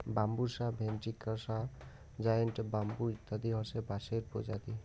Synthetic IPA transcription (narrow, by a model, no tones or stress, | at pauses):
bambusabʱenʈikːəsa | d͡ʒajənʈbambuit̪ːad̪iɦɔɾsebaseɾpɔ̰d͡ʒad̪i